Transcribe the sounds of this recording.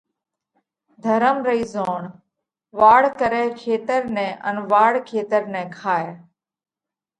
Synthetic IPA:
d̪ʱəɾəmɾəiːzoːɳ | ʋaːɽkəɾɛːkʰeːt̪əɾnɛ̃ːʔə̰nʋaːɽkʰeːt̪əɾnɛ̃ːkʰaːe

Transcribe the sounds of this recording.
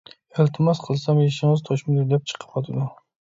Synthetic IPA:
elt̪ʰɪmɑsqʰəlˠsɑmjeʃɪŋəzt̪ʰoʃmɪd̪uɾd̪ɛp̚t͡ʃʰə̥qʰə̥pɑt̪ʰud̪ʊ

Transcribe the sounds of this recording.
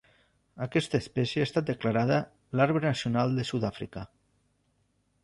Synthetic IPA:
akɛst̪əespɛsjeast̪at̪̚d̪eklaɾaðə | laɾβɾenasiunalˠd̪əsuðafɾḭkə

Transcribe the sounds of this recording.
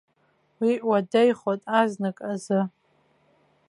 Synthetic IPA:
wiʔwadejχotʼaznɨkʼazɨ

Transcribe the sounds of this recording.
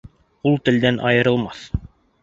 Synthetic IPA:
ulˠt̪ɘ̆ld̪ænʔɑ̰jɤ̆ɾɤ̆lˠmɑθ

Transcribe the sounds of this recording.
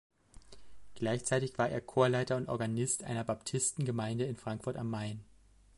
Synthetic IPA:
ɡ̥laɪçt͡saɪtɪçv̥aːɐʔḛːɐkʰoːɐlaɪtɐʊntʔɔ̰ɐɡanɪstʔa̰ɪnɐbaptʰɪstn̩ɡəmaɪndəɪnfʁ̥aŋkfʊɐtamːaɪn

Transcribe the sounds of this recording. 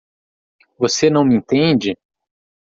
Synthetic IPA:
vosenɐ̃w̃mĩnt̪ẽd͡ʒɪ

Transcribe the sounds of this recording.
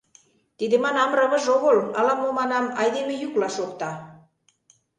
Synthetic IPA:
t̪id̪ĕmɑnɑmrə̆βɤ̆ʒoɣɤlɑlɑmomɑnɑmɑjd̪emejuklɑʃokt̪ɑ

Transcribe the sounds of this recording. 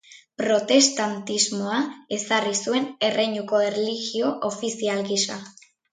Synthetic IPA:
pɾo̞t̪e̞st̪ant̪izmo̞ae̞sarisue̞ne̞rʔe̞jɲuko̞erliɣio̞ʔofisialɣisa

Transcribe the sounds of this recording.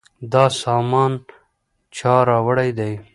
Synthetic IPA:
d̪ɑsɑːmɑːn | t͡ʃɑːɾɑːwəɽajd̪aj

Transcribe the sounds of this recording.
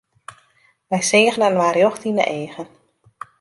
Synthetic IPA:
ʋɛjseːɣənənʋaːɾjɔxtinə̰ʔeːɣən

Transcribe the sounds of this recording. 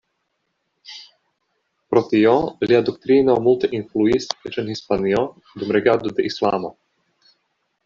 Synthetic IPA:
pɾɔt̪ijɔliad̪ɔkt̪ɾiːnawmult̪ɛʔinfluisɛt͡ʃɛnhispaniɔ | d̪ɔmɾɛɡaːd̪ud̪ɛʔislaːmo

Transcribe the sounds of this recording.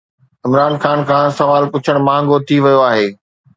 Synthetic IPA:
ɪmɾaːnxaːnkʰãːsɐʋaːlpʊt͡ɕʰəɽ̃mãːŋ̆ɡot̪ʰiʋɐjoaːɦeː

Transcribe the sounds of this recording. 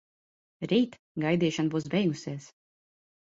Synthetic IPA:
ɾiːt̪ | ɡajd̪iːʃanbuːsbʲɛjɡusiɛs

